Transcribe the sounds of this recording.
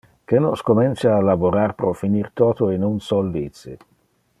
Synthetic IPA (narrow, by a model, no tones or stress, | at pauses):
kenoskomint̪saːlavoɾaɾpɾɔfiniɾt̪ɔːt̪oenunsɔldit̪si